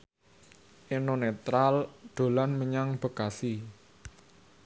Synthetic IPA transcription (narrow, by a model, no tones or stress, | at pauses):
ʔenonet̪ɾald̪̥o̤lanməɲaŋb̥ə̤kasi